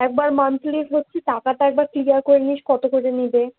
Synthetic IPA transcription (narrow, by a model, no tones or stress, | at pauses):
ɛk̚baɾmant̪likɦotːɕʰitakat̪aɛk̚baɾkliɡaɾkoɾiniʃkɔt̪okod͡ʑenibe